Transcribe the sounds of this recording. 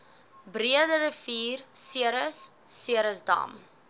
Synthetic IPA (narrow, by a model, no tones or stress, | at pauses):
briədəɾəfiːrsiəɾəsː | iəɾəsdɑ̰ːm